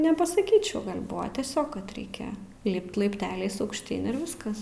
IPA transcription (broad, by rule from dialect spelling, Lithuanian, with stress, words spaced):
nʲɛpɐsɐˈkʲiːt͡ʃʲɛʊ ˈɡɐlʲ ˈbʊʋɐ tʲiɛˈsʲoːk kɐt ˈrʲɛɪkʲɛ ˈlʲɪpt lˠɐɪpʲˈtʲæːlʲɛɪs ɐʊkʃʲˈtʲiːn ɪr ˈʋʲɪskɐs